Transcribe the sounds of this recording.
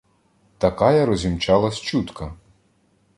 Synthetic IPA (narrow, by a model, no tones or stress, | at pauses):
t̪ɐkɑjɐɾɔzʲimt͡ʃɑlˠɐst͡ʃut̪kɐ